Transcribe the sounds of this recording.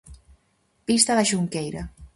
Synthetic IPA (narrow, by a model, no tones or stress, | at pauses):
pist̪əðəʃuŋkejɾə